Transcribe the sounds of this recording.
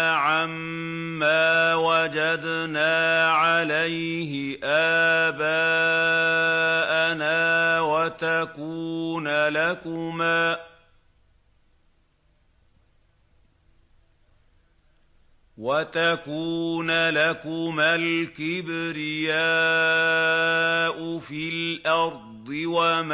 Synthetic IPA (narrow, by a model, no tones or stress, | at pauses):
ʕamː | aːwad͡ʒad̪naːʕalajɦɪʔaːbaː | ʔanaːwat̪akuːnlakʊmaː | wat̪akuːnalakʊmalkɪbɾɪjaː | ʔʊfilʔɑɾd̪ˤɨwam